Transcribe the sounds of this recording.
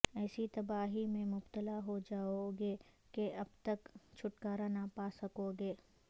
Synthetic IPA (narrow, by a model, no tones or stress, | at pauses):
ɛːsit̪ɐbaːɦimẽmʊbt̪əlaɦod͡ʒaːoɡe | keʔɐbt̪ɐkt͡ʃʰʊʈkaːɾanapaːsɐkoɡeː